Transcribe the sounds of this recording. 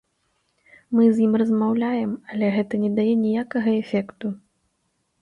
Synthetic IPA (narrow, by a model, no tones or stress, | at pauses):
mɨzjimrɐzmawlʲajɛmɐlʲɛɣɛt̪ɐnʲɛd̪ajɛnʲijakɐɣɐɛfʲɛkt̪u